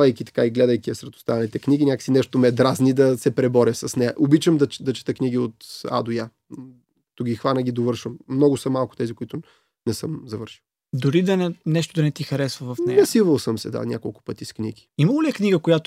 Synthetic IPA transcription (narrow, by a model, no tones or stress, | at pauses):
vɐjkʲit̪ɐ̥kaiɡlɛd̪əjkʲiɐsɾɛt̪ʊ̥st̪avɐnit̪ɛknʲiɡʲinʲakə̥ksinɛʃt̪omɛd̪ɾaznid̪ɐsɛpɾɛbɔɾʲəsɐsnɛjəʔobit͡ʃəmd̪ɐd̪ɐt͡ʃɛ̥t̪əkniɡiot̪a̰d̪ʊjḁ | t̪uɡʲixvanəɡʲid̪ovɤɾʃəmːnɔɡʊsɐmalˠkʊ̥t̪ɛzikʊit̪ʊ | nɛsəmzɐvəɾʃilˠ | d̪ʊɾid̪ɐnɛnɛʃt̪ʊd̪ɐnɛt̪ixɐɾɛsvɐvɐfnɛɛsivəlˠsəmsɛd̪a̰nʲa̰kolˠkʊ̥pɤt̪isknḭɡʲi̥imɐlˠolʲiɛkniɡəkʊjat̪